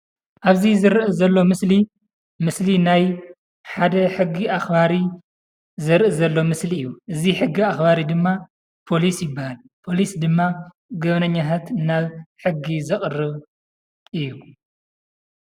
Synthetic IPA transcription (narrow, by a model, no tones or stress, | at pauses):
ʔaβzizɨɾʔɨzɐlːo̞mɨsli | mɨslinaj | ħad̪ɐħɨɡːiaxbaɾi | zɨɾʔɨzɐlːo̞mɨsliɨjːuʔɨziħɨɡːiaxbaɾid̪ɨmːa | pʰo̞lisjɪbːahal | pʰo̞lisd̪ɨmːa | ɡɐβnɐɲːat̪ʰat̪naβħɨɡːizɨχʼɨrːɨβ | ʔɨjːu